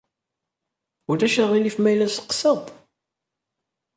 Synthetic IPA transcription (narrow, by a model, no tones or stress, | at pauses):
ʊɾæʃəʁilifmæjlæsə̥qsəðˤ